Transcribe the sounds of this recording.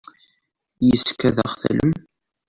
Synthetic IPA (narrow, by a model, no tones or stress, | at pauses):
jəskːæðəχθæ̰ləm